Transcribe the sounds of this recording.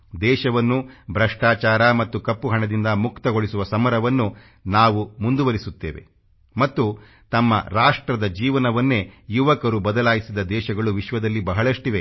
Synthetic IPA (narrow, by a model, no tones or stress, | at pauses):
d̪ɛːʃɐʋɐnːubʱɾɐʂʈaːt͡ʃaːɾɐmɐt̪ːukɐpːuɦɐɳɐd̪ind̪ɐmukt̪ɐɡoɭisuʋɐsɐmɐɾɐʋɐnːu | naːʋumund̪uʋɐɾisut̪ːḛːʋe̞̰ | mɐt̪ːu | t̪ɐmːɐ̰ɾaːʂʈɾɐd̪ɐd͡ʒiːʋɐnɐʋɐnːe̞juʋɐkɐɾubɐd̪ɐlaːjisid̪ɐd̪ɛːʃɐɡɐɭuʋiʃʋɐd̪ɐlːibɐɦɐɭɐʂʈiʋe